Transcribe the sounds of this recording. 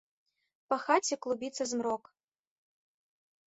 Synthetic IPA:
pɐxat͡sʲɛklˠubʲit̪sɐzmɾɔk

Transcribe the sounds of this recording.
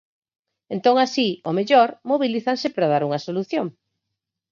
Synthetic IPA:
ent̪oŋasiomeʎɔɾmoβiliθansɪpɾað̞aɾuŋɐsoluθjoŋ

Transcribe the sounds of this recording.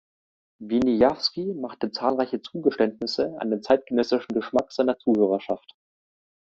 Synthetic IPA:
vinijafskimaχtət͡saːlʁaɪçət͡suːɡəʃtɛntnɪsəa̰ndeːnt͡saɪt̚ɡ̥ənɛsɪʃn̩ɡəʃmakz̥aɪnɐt͡suːhøːʁɐʃaft

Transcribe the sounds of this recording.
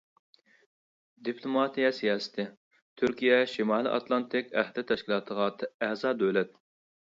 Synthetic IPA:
d̪ipʰlˠumɑt̪ijɛsijɑːsɪ̥t̪ʰɪ | t̪ʰyɾkʲijɛʃimɑːlˠḭʔɑ̰t̪lˠɑnt̪ʰɪkʲæhd̪ɪt̪ʰɛʃkʲilˠɑːt̪ʰəʁɑt̪ʰæzɑːd̪øwlɛt̪̚

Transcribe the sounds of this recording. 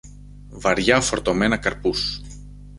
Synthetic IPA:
vɐɾʝɐfo̞ɾt̪o̞me̞nɐkɐɾpus

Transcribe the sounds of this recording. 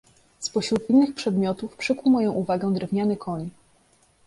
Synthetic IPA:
spɔɕɾut̪inːɘxpʂɛd̪mʲjɔt̪ufpʂɘkwmɔjɔ̃w̃ʔuvaɡɛ̃d̪ɾɛvɲanɘkʰɔɲ

